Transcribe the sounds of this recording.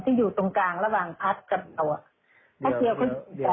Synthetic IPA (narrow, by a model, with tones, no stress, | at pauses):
t̪ʰiː˥˩juː˨˩t̪o˧ŋkaː˧ŋɾa˧waː˨˩ŋpʰa˦˥t̪̚ka˧p̚a˨˧˩wʔa˨˩ | t̪ʰaː˥˩ki˧əwkʰa˥˩˧a˧